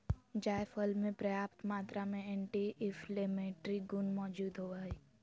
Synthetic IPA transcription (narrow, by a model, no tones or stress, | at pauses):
d͡ʒaːjfʰəlmẽpɾəjaːpt̪maːt̪ɾamẽeɳʈiʔɪfʰlemeːʈɾiɡʊnmɔːd͡ʒuːd̪ɦoaːi